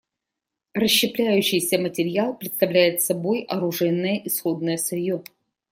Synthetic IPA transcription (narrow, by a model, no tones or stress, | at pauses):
rəɕːɪplʲæjʉɕːɪjsʲəmətʲɪɾʲɪalˠpɾʲɪt̪st̪ɐvlʲæjɪt̪sɐbo̞jɐɾʊʐɛjnːəjəʔɪsxo̞d̪̚nəjəsvɐjo